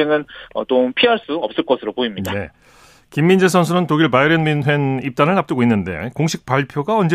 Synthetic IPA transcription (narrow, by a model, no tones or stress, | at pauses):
eŋɯnʌ̰t͈ompʰiɦaɭs͈uʌp̚s͈ɯɭk͈ʌsʰɯɾopoimɲiane̞̰ | kimːind͡ʑesʰʌnsʰuɾɯntoɡiɭpaiɾenminwe̞nip̚t͈anɯɭnap̚t͈ɯɡoinːɯnde̞̰koŋɕʰik̚p͈aɭpʰjoɡaʌnd͡ʑe